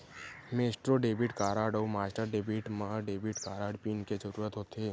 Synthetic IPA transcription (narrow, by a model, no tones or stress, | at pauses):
meːsʈɾoɖeːbiʈkaːɾaːɖɔːmaːsʈəɾɖeːbiʈmaɖeːbiʈkaːɾaːɖpiːnked͡ʒəɾuːɾət̪ɦoːt̪eː